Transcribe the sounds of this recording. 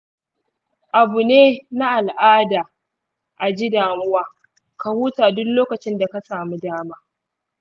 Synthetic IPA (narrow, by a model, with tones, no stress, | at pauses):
ʔa˨bu˨neː˦na˦ʔa˨lʔaː˦daː˨ | ʔa˨d͡ʒiː˦daː˨mʊ˦waː˦ | ka˨huː˦taː˨dʊ˦kloː˦kɐ˨t͡ʃɪ˦nda˨ka˦saː˨mi˦daː˦maː˦